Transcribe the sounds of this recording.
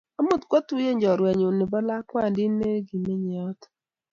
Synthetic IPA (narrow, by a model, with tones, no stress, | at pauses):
ɔ˦mʊ˦˨tkʷo˦tu˦je˦˨ɲd͡ʒɔ˨ɾɛ˨ɲo˨nɪ˨ba˦la˦kwa˦˨dɪ˦ne˦ɡi˨ne˦ɲe˨ɔ˦tɔ̥˨